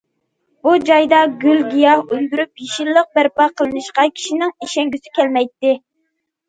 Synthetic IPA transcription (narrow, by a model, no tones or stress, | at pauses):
bud͡ʒɑjd̪ɑɡʲylɡʲijɑhøld̪yɾypjiʃilːəq̚bæɾpɑqʰəlˠɨnɨʃqɑkʲʰi̥ʃinɪŋiʃɛŋɡʲysɪkʲʰɛlmɛjt̪ːɪ